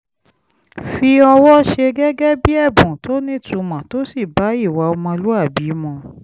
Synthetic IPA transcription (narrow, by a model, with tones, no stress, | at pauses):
fi˧ɔ˧wɔ˦ʃe˧ɡɛ˦ɡɛ˦bi˦ɛ˦˨bũ˨to˦nĩ˦tũ˧˦mã˨to˨˦si˦˨ba˨˦i˦˨wa˨˧o˧mɔ̃˧lu˦a˦˨bi˨˦mɔ̃˧